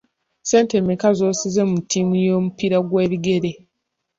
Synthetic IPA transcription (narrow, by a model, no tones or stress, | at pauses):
se̞ːntemekazoːsizemutʰiːmujo̞ːmupiɾaɡweːβiɡe̞ɾe